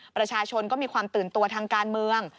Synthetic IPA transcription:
pɾa˧t͡ɕʰaː˧t͡ɕʰo˧nkɔː˥˩miː˧kʰwaː˧mt̪ɯː˨˩nt̪u˧ɐt̪ʰaː˧ŋkaː˧nmɯ˧əŋ

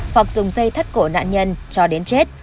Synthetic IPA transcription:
fə˨˩k̚zʊ˨˩ŋ͡mzə˧jt̪ʰə˦˥t̚ko˧˩na̰ː˧˨nɲə˧nt͡ɕɔ˧ɗe˨˦nt͡ɕe˦˥t̚

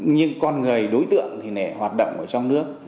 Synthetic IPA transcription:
ɲɨ˧ŋkɔ˧nŋɨ˨˩əjɗo˨˦jt̪ɨ̰˧˨əŋt̪ʰi˨˩nɛ˧˩hwaː˨˩t̚ɗo̰˧˨wŋ͡mʔəː˧˩t͡ɕɔ˧wŋ͡mnɨ˦˥ək̚

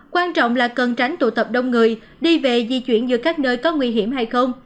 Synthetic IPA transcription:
kwaː˧nt͡ɕɔ̰˧˨wŋ͡mlaː˨˩kə˨˩nt͡ɕa˨˦ŋ̟t̪ṵ˧˩t̪ə˨˩p̚ɗə˧wŋ͡mŋɨ˨˩əj | ɗi˧ve˨˩zḭ˧˨t͡ɕwḭ˧˩ənzɨ̰˧˩əkaː˦˥k̚nəː˧jkɔ˨˦ŋwi˧ɦi˧˩əmɦa˧jxə˧wŋ͡m

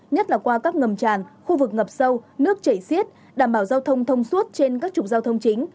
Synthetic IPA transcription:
ɲə˦˥t̚laː˨˩kwaː˧kaː˦˥k̚ŋə˨˩mt͡ɕaː˨˩nxu˧vɨ˨˩k̚ŋə˨˩p̚sə˧wnɨ˦˥ək̚t͡ɕə˧˩jsi˦˥ət̚ | ɗaː˧˩mɓaː˧˩wzaː˧wt̪ʰə˧wŋ͡mt̪ʰə˧wŋ͡mswu˦˥t̚t͡ɕe˧nkaː˦˥k̚t͡ɕʊ˨˩k͡p̚zaː˧wt̪ʰə˧wŋ͡mt͡ɕï˨˦ŋ̟

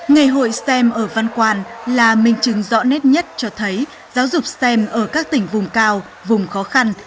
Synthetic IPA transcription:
ŋa˨˩jɦo̰˧˨jsɛ˧mʔəː˧˩va˧nkwaː˧nlaː˨˩mï˨˩ŋ̟t͡ɕɨ˨˦ŋzɔ̰˧˥nɛ˦˥t̚ɲə˦˥t̚t͡ɕɔ˧t̪ʰə˨˦j | zaː˨˦wzʊ˨˩k͡p̚sɛ˧mʔəː˧˩kaː˦˥k̚t̪ï˧˩ŋ̟vʊ˨˩ŋ͡mkaː˧w | vʊ˨˩ŋ͡mxɔ˨˦xa˧n

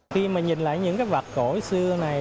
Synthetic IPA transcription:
xi˧maː˨˩ɲi˨˩nla̰ː˧˨jɲɨ̰˧˥ŋkaː˨˦jva˨˩ko˧˩sɨ˧əna˨˩j

